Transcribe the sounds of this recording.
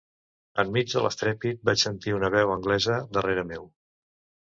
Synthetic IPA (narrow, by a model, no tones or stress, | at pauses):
əmːid͡ʒðələ̰st̪ɾɛpit̪̚bat͡ʃsənt̪iunəβ̞ɛwəŋɡlɛzəd̪əreɾəmew